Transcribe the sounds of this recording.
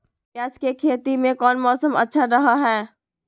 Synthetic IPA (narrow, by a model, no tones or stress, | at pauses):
kaːskekʰeːt̪imẽkɔːnmɔːsəmɐ̰tːʃʰaɾɐɦaɦɛː